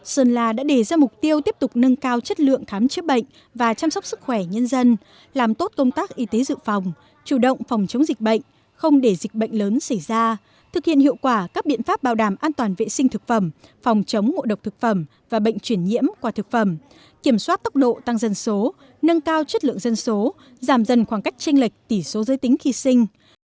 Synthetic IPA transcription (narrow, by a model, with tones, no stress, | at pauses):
səː˧nlaː˧ɗa̰ː˧˥ɗe˨˩zaː˧mʊ˨˩k͡p̚t̪i˧əwt̪i˦˥əp̚t̪ʊ˨˩k͡p̚nə˧nkaː˧wt͡ɕə˦˥t̚lɨ̰˧˨əŋxaː˨˦mt͡ɕɨ˦˥ɓə̰˧˨jŋ̟ | vaː˨˩t͡ɕa˧msa˦˥wk͡p̚sɨ˦˥k̚xwɛ˧˩ɲə˧nzə˧n | laː˨˩mt̪o˦˥t̚kə˧wŋ͡mt̪aː˦˥k̚ʔi˨˦t̪e˨˦zɨ̰˧˨fa˨˩wŋ͡m | t͡ɕu˧˩ɗə̰˧˨wŋ͡mfɔ˨˩wŋ͡mt͡ɕə˨˦wŋ͡mzi˨˩k̟̚ɓə̰˧˨jŋ̟ | xə˧wŋ͡mɗe˧˩zi˨˩k̟̚ɓə̰˧˨jŋ̟ləː˨˦nsə˧˩jzaː˧ | t̪ʰɨ˨˩k̚hḭ˧˨ənhḭ˧˨əwkwaː˧˩kaː˦˥k̚ɓḭ˧˨ənfaː˦˥p̚ɓaː˨˩wɗaː˧˩mʔaː˧nt̪waː˨˩nvḛ˧˨sï˧ŋ̟t̪ʰɨ˨˩k̚fə˧˩mfɔ˨˩wŋ͡mt͡ɕə˨˦wŋ͡mŋo̰˧˨ɗə˨˩wk͡p̚t̪ʰɨ˨˩k̚fə˧˩m | vaː˨˩ɓə̰˧˨ŋ̟t͡ɕwi˧˩ənɲḭ˧˥əmkwaː˧˩t̪ɨ˨˩k̚fə˧˩m | ki˧˩əmswaː˦˥t̚t̪ə˦˥k͡p̚ɗo̰˧˨t̪a˧ŋzə˧nso˨˦ | nə˧nkaː˧wt͡ɕə˦˥t̚lɨ̰˧˨əŋzə˧nso˨˦ | zaː˧˩mzə˧˩nxwaː˧˩ŋka˦˥jk̚t͡ɕï˧ŋ̟li˨˩k̟̚t̪i˧˩so˨˦zəː˨˦jt̪ï˨˦ŋ̟xi˧sï˧ŋ̟